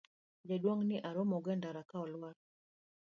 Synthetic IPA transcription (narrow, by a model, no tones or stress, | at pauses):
d͡ʒaɗwɔŋniʔaɾɔmɔɡɛndaɾakaɔlwaɾ